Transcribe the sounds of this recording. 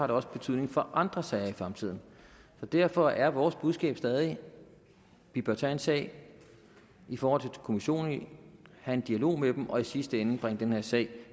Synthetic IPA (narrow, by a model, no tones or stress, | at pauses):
ɑ̈ɾ̥eɒ̽sə̥b̥e̝t͡sʰyð̞̰ˠne̝ŋfɒ̽ʔɑ̈nd̥ʁɐsɛɪɐifʁɑ̈mt͡sʰið̞̰ˠn̩sɒ̽d̥æɐ̰fɒ̽æɐʋɒːsb̥uð̞ˠsɡ̥ɛ̰ːb̥sd̥ɛːð̞ˠi | b̥ib̥æt͡sʰænsɛ̰ɪ | ifɒːhɒl̰t͡sʰe̝lkʰo̝miɕo̝̰ːnnhæe̝nd̥iælo̝̰ːmed̥mʔɒ̽isisd̥əen̩b̥ʁeŋ̰d̥enheɐ̰sɛ̰ɪ̰